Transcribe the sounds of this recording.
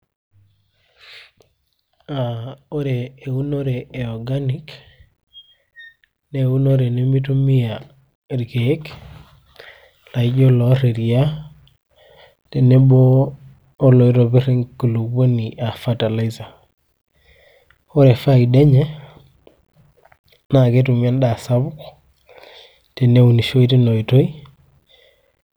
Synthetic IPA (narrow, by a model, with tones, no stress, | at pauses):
ao˦ɾeː˨u˦no˦ɾeː˨ɔ˨ɡani˦k | neu˦no˦ɾe˨ne˦mi˦t̬u˦mi˦a˨ | ɾke˦k | la˨id͡ʒo˦lɔ˨ɾe˨ɾi˨a˦ | te˨ne˦bɔː˦ | lo˨i˦ɾo˨bi˦ɾe˦ŋku˨lu˨kbo˦ni˨ʔa˨fata˨la˦iza˨ | o˦ɾe˨fa˦i˨de˦ɲe˦ | na˨ke˦tu˨mi˦a˦nda˨sa˦bu˦k | te˨ne˦u˨ni˨ʃo˦i˦ti˦no˨ito˦i˦